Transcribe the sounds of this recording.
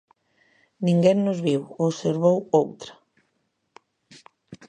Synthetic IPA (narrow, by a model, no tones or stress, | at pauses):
nĩŋɡɛŋnozβiwoseɾβowowt̪ɾɐ̥